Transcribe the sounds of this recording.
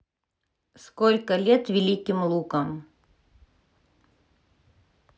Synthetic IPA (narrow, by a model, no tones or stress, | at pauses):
skolʲkəlʲet̪vʲɪlʲikʲɪmlˠukəm